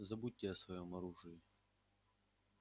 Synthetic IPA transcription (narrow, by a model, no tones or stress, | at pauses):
zɐbutʲːɪɐsvɐjomɐɾuʐɨjɪ